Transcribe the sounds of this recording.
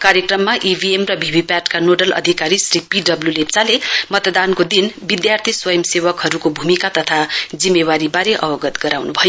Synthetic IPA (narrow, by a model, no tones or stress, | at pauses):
kaɾjʌkrʌmːaʔibʱiemrʌbʱibʱipjaʈkanoɖʌlʌ̰d̪ʱikaɾisripiɖʌbljulept͡salemʌt̪d̪ankod̪inbid̪jart̪ʰiswʌjʌmsewʌkɦʌɾukobʱumikat̪ʌt̪ʰad͡zimːewaɾibaɾeʔʌbʌɡʌt̪ɡʌɾawnubʱʌjo